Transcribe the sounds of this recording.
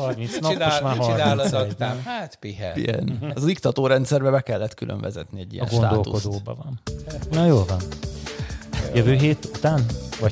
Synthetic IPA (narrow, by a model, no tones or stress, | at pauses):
hɒrminsnɒp̪omaːɦɒraːlozɔːhat̪piɦɛ̰ḭɡɛ̰nɒzikt̪ɒt̪oːɾɛnt̪sɛrbɛbɛkɛlːɛt̪kylʔø̰ɱvɛzɛt̪niɛɟːḭjɛnɡo̞nad̪ːo̞lt̪ṵko̞d̪oːbɒ̰vɒnnɒjoːlvɒn | jøvøːɦeːt̪ut̪aːnvɒ